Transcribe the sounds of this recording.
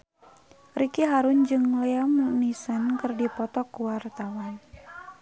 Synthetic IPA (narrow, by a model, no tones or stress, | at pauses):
rikiɦaɾund͡ʒɨŋlɛamunisənkɨrdipɔt̪ɔkuwart̪awan